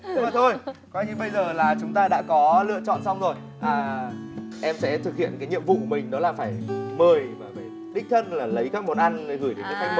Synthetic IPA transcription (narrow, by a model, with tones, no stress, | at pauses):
maː˨˩t̪ʰo˧jkɔ˨˧jɲɨ˧ɓə˧jzəː˨˩laː˨˩t͡ɕʊ˨˦ŋ͡mt̪aː˧ɗa̰ː˧˥kɔ˨˦lɨ̰˧˨ət͡ɕɔ̰˧˨nsa˧wŋ͡mzo˨˩j | ʔaː˨˩ | ʔɛ˧msɛ̰˧˥t̪ʰɨ˨˩k̚hḭ˧˨ənkaː˨˦jɲḭ˧˨əmvṵ˧˨kmï˨˩ŋ̟ɗɔ˨˦laː˨˩faː˧˩jməː˨˩jvəː˧˨˩jvi˨˩ | ɗï˦˥k̚t̪ʰə˧nlaː˨˩lə˨˦jkaː˦˥k̚mo˨˩t̚ʔa˧jnəː˨˦ɣɨ˧˩jɗe˨˦nkə˨˦k̪ʰa˧jŋ̚mə˨˩